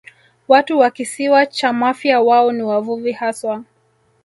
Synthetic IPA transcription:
watuwakisiwat͡ʃamafjawaɔniwavuvihaswa

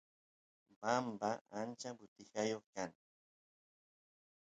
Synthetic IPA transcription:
bambaʔant͡ʃabʊt̪ɪxajoχkaŋ

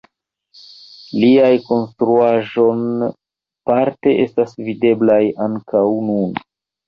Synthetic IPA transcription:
liajko̞nstɾuaʒo̞n | paɾte̞ʔe̞stasvide̞blajaŋkawnun

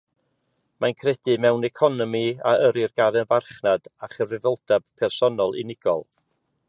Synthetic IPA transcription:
mankʰrɛdɨmɛwnɛkʰɔnɔmiaəɾɪrɡaɾɛnvarχnad̥aχənvrɪvəlˠd̥ab̥̚pʰɛrsɔnɔlˠḭnɪɡ̥ɔ̰lˠ

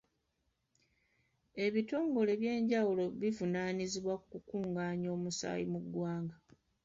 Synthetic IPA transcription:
e̞βito̞ːŋɡo̞le̞βje̞ːɲɟawulo̞βivunaːniziβwakkukuːŋɡaːɲo̞ːmusa̰ːjḭmuɡːwaːŋɡa

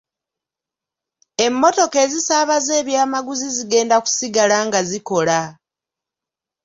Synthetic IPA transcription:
e̞mːo̞to̞ke̞ːzisaːβaze̞ːβjaːmaɡuziziɡe̞ːndaku̥siɡalaŋɡaziko̞la

